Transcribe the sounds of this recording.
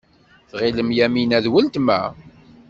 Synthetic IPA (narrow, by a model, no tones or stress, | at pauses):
θʁiləmjæminæðwəlt̪mæ̰